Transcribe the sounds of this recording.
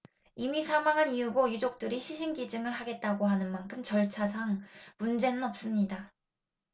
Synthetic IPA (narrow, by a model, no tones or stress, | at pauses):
imisʰamaŋaniuɡojud͡ʑok̚t͈ɯɾiɕʰiɕʰinɡid͡ʑɯŋɯɭɦaɡe̞t̚t͈aɡoɦanɯnmankʰɯmt͡ɕʌɭt͡ɕʰasʰaŋmund͡ʑe̞nɯnʌp̚s͈ɯmɲida